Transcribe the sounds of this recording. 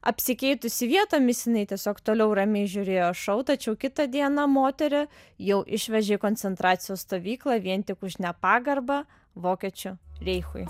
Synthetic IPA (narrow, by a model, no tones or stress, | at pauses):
ɐ̰pʲsʲɪkʲɛɪt̪ʊsʲɪʋʲiɛt̪oːmʲɪsjɪnɐɪt̪ʲiɛsʲoːkt̪oːlʲɛʊɾɐmʲɛɪʒʲʊɾʲeːjoːʃɐʊt̪ɐt͡ʃʲɛʊkʲɪt̪ɐd̪ʲiɛnɐmoːt̪ʲɛɾʲɪ | jɛʊʔɪʃʲʋʲɛʒʲɛɪkoːnʲt͡ssʲɛnt̪ɾɑːt̪sʲɪjoːsst̪oːʋʲiːklˠɑːʋʲiɛnt̪ʲɪkʊʃnʲɛpɑːɡɐɾbɐ | ʋoːkʲiɛt͡ʃʲʊɾʲɛɪxʊ̰j